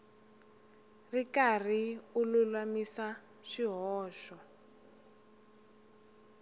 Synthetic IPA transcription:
rikariululwamisa | ʃiɦɔːʃɔ

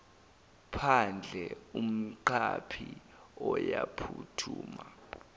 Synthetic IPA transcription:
pʰand͡ɮʱɛum̩ǃapʰi | ɔjapʰutʰuːma

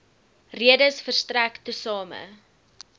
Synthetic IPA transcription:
riədəsfərstræktəsɑːmə̰

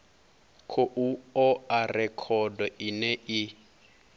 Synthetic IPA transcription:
kʰoʔuɔarɛkʰɔdɔinɛʔi

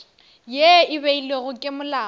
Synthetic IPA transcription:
jeɪβeileɣʊkʼɪmʊlaː

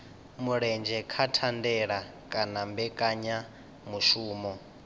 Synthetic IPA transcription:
muɺɛnd͡ʒɛkʰatʰandɛɺa | kʼanambɛkʼaɲa | muʃuːmɔ

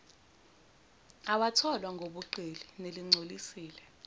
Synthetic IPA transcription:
awatʰɔlwaŋʱoɓuǃelineliŋ͡ǀʱolisiːlɛ

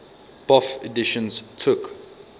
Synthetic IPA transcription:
b̥ɔfɛdɪʃə̃nztʰʊk

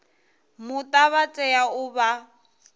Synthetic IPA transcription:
mʊtʼaβat͡sʼɛaʊba

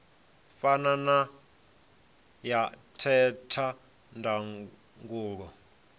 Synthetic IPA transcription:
fanana | jatʰɛtʰa | ndʱa | ŋɡuːɺɔ

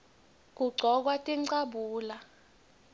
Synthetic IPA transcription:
k̬uɡ͡ǀʱɔk̬watʼiǀaɓuːla

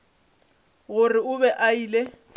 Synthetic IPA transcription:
ɣʊrɪʊbɛʔaiːle

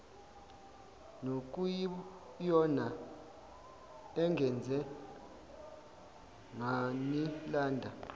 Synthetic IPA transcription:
nok̬ʼuj | jɔna | ɛŋɡʱɛnd͡zʱɛ | ŋanilaːndʱa

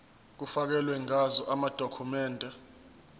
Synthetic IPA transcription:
k̬ufak̬ɛlwɛŋazɔʔamad̥ʱokʰumɛːndʱɛ

